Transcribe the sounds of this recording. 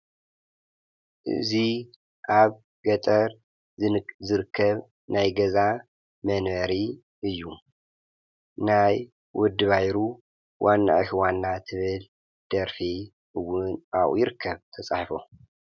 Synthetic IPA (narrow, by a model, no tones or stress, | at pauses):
ʔɨ̰zi | ʔaβ | ɡɐt̪ʼɐɾ | zɨɾɨkʰːɐβ | najɡɐza | mɐnβɐɾi | ʔɨjːu | naj | wʔɔd̪ɨβajɾu | wʔanːa̰ʔɨtiwanːat̪ʰɨβɨl | d̪̥ɐɾfe | ɨwːʊnʔaʔṵjɪɾɨkʰːɐβt̪ʰɐt͡sʼaħfo̰